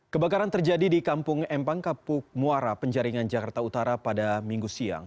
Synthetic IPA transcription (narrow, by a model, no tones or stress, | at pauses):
kəbakaɾant̪ərd͡ʒadidikampʊŋɛmpaŋkapʊk̚muaɾapəɲd͡ʒaɾiŋand͡ʒakart̪aut̪aɾapadamiŋɡusia̰ŋ